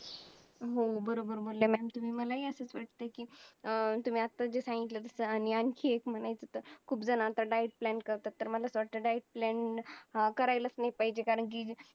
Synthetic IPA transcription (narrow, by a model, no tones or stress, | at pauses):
ɦobəɾobəɾmolemɛmt̪um̤iːməlaɦiːəsəːt͡sʋaʈ̚t̪əkiː | t̪um̤iːat̪ːad͡ʑesãŋɡit̪lət̪əsəañiãnkʰiːekm̤əɽ̃ajt͡sət̪əɾkʰuːpd͡zənaːt̪aɖajʈ̚plɛɳʈkəɾt̪at̪ːəɾməlasʋaʈəɖajʈ̚plɛɳ | kəɾajlət͡snajpaɦid͡ʑekaɾəɳk̬iː